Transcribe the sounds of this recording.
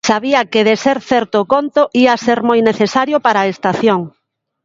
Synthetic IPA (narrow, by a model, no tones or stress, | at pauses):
saβiɐkeðeseɾθɛɾt̪okont̪oʔiɐseɾmojneθesaɾjopaɾaːest̪aθjoŋ